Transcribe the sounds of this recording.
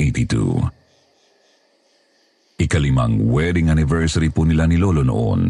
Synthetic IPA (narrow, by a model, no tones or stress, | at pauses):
et̪it̪ṵ | ʔɪkɐlɪma̰ŋwɛd̪ɪŋʔanɪvɛɹsɐɾipunɪlanɪloːlono̰ʔo̰n